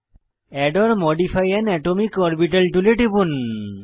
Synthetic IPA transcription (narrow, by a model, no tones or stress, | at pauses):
ɛɖɔɾmɔɖipʰajɛnɛʈomikɔɾbiʈalʈuleʈibun